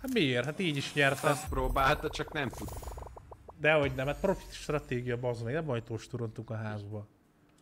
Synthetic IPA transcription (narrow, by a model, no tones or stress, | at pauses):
hat̪mieːrt̪hat̪iːɟiʃɲɛrt̪ɛmpɾoːbaːlt̪̚d̪ɛt͡ʃɒknɛmt̪ud̪ | d̪ɛɦo̞ɟnɛmat̪̚pro̞fi̥t̪ʃt̪rɒt̪eːɡijɒbzmeːɡnɛmɒjt̪oːʃt̪uɾo̞nt̪uŋkɒɦaːzbɒ